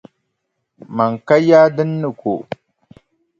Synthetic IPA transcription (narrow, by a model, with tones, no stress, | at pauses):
ma˨ŋka˦jaː˦dɨ˦nːɨ˨ko̰˨